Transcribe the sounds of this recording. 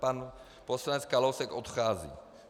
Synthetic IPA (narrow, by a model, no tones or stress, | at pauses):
pan | poslanɛt͡skalowsɛkʔot̪xaːzḭː